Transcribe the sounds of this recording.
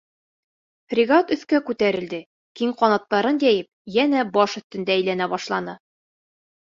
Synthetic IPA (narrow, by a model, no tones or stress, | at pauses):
frʲɪɡat̪ɵ̆θkækʉt̪æɾɘ̆ld̪ɘ | kiŋqɒnɑt̪ːɑɾɤnd̪æjɘp̚jænæbɒʃɵ̆θt̪ɵ̆nd̪æːjlænæbɒʃlˠɑnɤ